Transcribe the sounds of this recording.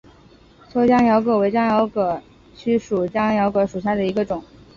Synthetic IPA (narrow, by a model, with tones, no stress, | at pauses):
t͡sʰwɔ˥t͡ɕjɑ˥ŋjɑ˧˥ʊkɤ˨˩we˧˥ɪt͡ɕjɑ˥ŋjɑ˧˥ʊkɤ˨˩ | t͡ɕʰy˥ʂu˨˩t͡ɕjɑ˥ŋjɑ˧˥ʊkɤ˧˥ʂu˨˩ɕja˥˩d̪ə˩i˧˥ɡə˧ʈ͡ʂʊ˨˩˦ŋ